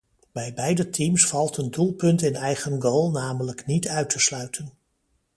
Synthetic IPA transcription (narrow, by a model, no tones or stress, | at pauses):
b̥ɛjbɛjdətʰimsfɑlˠtəndulˠpɵntɪnɛjχənɡoːlˠnaːmələknitœɥtʰəslœɥtʰən